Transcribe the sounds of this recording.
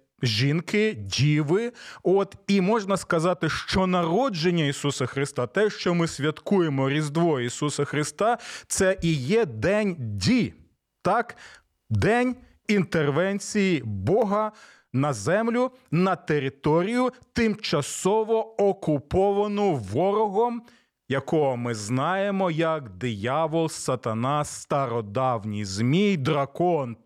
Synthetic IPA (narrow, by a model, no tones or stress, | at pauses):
ʒʲinkɪdʲiʋɪɔt̪imɔʒnɐskɐzɑt̪ɪʃt͡ʃɔnɐɾɔd͡ʒenʲːɐisusɐxɾɪst̪ɑt̪ɛʃt͡ʃɔmɪsʲʋʲjɐt̪kujemɔɾʲizd̪ʋɔisusɐxɾɪst̪ɑt̪sɛʔijɛd̪ɛnʲdʲi | t̪ɑk | d̪ɛnʲ | int̪erʋɛnʲt͡sʲijibɔɦɐ | nɐzɛmlʲʊnɐt̪eɾɪt̪ɔɾʲijʊt̪ɪmt͡ʃɐsɔʋɔɔkʊpɔʋɐnɔʋɔɾɔɦɔm | jɐkɔɦɔmɪznɑjemɔjɐkd̪ɪjɑʋɔlˠsɐt̪ɐnɑst̪ɐɾɔd̪ɑwnʲijzmʲid̪ɾɐkɔn